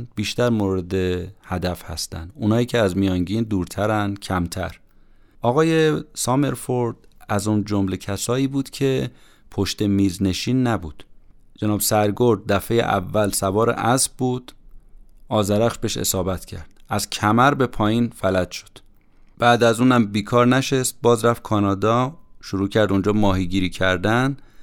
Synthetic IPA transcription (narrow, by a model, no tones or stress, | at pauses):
biːʃt̪æɾmoɾed̪e̞hæd̪æfhæ̰st̪æ̰nd̪uːnɒːjiːcʰeæzmijɒːŋɟiːnd̪uːɾt̪ʰæɾænd̪cʰæmt̪ʰæ̰ɾ | ʔɒːɣɒːje̞sɒːme̞ɾfoɾd̪̥æzuːnd͡ʒomle̞cʰæsɒːiːbuːd̪̥cʰe̞ | pʰo̞ʃt̪e̞miːzne̞ʃiːnːæbuːd̪̥ | d͡ʒenɒːbsæɾɡoɾd̪̚d̪æfe̞jḛʔæ̰vːælsævɒːɾḛʔæsbbuːd̪̥ | ʔɒːzæɾæxʃbe̞ʃḛsɒːbæt̪ʰcʰæ̰ɾd̪̥̚ʔæzcʰæmæɾbe̞pʰɒːjiːnfælæd̪̥ʃo̥d̪̥ | b̥æːd̪æzuːnæmbiːkʰɒːɾnæʃest̪̚bɒːzɾæftkʰɒːnɒːd̪ɒːʃuɾuːcʰæɾd̪und͡ʒɒːmɒːɦiɟiːɾiːcʰæɾd̪æn